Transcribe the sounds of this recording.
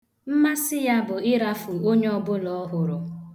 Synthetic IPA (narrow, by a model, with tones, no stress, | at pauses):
m̩˦ma˦sɪ˦ja˦bʊ˨ɪ˦ɾa˦fu˨o˦ɲe˦ɔ˦bʊ˦lɔ˨˦ɦʊ˨ɾʊ˨